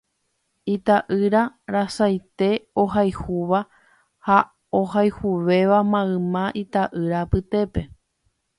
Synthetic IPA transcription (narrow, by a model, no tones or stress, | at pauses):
it̪aʔɨɾaɾasajt̪e̞oɦajhuʋa | ha | ohajhuʋe̞ʋamãɨ̃mãʔit̪aʔɨɾapɨt̪e̞pe̞